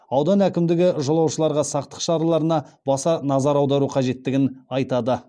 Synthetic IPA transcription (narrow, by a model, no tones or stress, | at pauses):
ɑwd̪ɑnækʲɪmd̪ɪɡʲɪʒolˠɑwʃəlˠɑɾʁɑsɑqt̪ə̥qʃɑɾɑlˠɑɾənɑbɑsɑnɑzɑɾɑwd̪ɑɾuqʰɑʒe̞t̪ːɪɡʲɪnɑjt̪ɑd̪ə